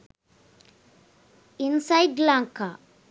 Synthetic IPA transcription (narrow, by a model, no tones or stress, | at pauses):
ʔɪnsajd̪laŋkʰɐ